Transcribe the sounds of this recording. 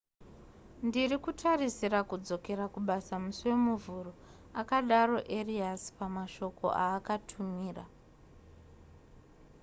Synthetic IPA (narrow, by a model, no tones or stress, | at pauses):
ndirikutʰarisirakud͡zo̞ke̞ɾakuɓasamusuwe̞muvuro̞ | akaɗaro̞ʔe̞riaspamaʃo̞ko̞̰ʔaːkatʰumiːra